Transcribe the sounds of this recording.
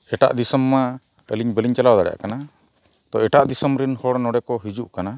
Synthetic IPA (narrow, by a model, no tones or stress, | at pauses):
ɛʈa̰ʔd̪isəmːa | ə̰liɲbəliɲt͡ʃalawd̪aɽja̰ʔkana | t̪ɔɛʈaʔd̪isəmɾinhɔɽnɔɽɛkɔɦid͡ʒuʔkana